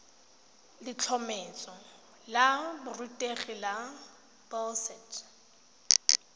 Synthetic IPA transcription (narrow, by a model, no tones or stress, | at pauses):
lɪt͡ɬʰɔmɛt͡sʼɔ | labʊrutʼeχila | b̥ɔsɛtʰ